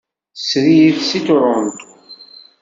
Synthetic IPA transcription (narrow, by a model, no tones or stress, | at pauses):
sɾijiθsit̪ɾˤont̪